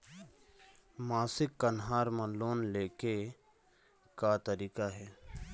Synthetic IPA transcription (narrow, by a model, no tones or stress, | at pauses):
maːsɪkːənɦaːɾmãloːnleːke | kat̪əɾiːkaɦɛː